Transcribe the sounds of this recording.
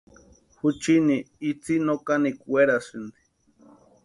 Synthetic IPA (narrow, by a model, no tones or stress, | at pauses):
hut͡ʃiniː | t͡sinokanikweɾasɨnd̪i̥